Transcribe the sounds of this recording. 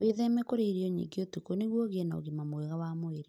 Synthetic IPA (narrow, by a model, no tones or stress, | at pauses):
weðɛmɛkoɾeiɾiɔɲḭŋɡeotukoneɣwɔɣeɛnao̰ɣimamwɛɣawamoeɾe